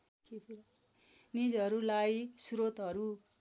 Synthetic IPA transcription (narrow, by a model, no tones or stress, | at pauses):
kʰetʰila | nid͡zʌɾulajsuɾot̪ɦʌɾu